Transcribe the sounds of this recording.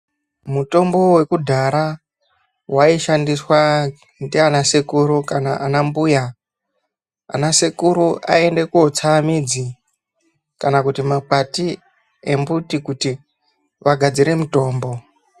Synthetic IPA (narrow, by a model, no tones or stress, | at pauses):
muto̞mbo̞we̞kudʱaɾa | waiʃandiswa | ndianasekuɾukanaʔanambuja | a̰nasekuɾuʔa̰e̞nde̞kuot͡samid͡zi | kanakutimapati | e̞mbutikuti | ʋaɡʱad͡ziɾe̞muto̞ːmbo̞